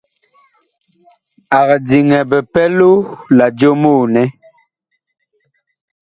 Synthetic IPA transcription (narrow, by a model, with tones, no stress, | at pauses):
a˨ɣɛ˨d͡zi˨ŋɛ˨bɛ˨pɛ˦lo˦la˨d͡ʒo˦moː˦˨nɛ˦